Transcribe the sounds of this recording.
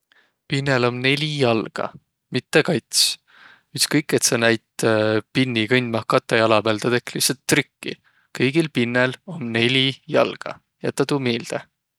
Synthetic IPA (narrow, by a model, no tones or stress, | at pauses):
pinːelo̞mne̞lʲijɑlɡ̥ɑ̰ | mit̪ːekɑjt̪s | yht̪skɤjkːˑe̞t̪sɑnæjt̪pinːikɤnʲd̪̥mɑhkɑt̪ːˑɑjɑlɑb̥elt̪ɑt̪e̞kːliset̪ːrykːḭ | kɤjɡ̥ilpinːelo̞nne̞lʲijɑlɡ̥ɑ̰ | jɑ̰t̪ːɑt̪uːmeːld̪̥e